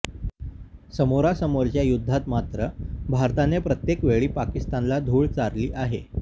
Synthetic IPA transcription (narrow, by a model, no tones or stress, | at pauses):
səmoɾasəmoɾt͡ɕjajud̪ʱːat̪mat̪ɾəbʱaɾt̪anepɾət̪jekʋeɭiːpakist̪anlad̪ʱuːɭt͡saɾliːʔaɦe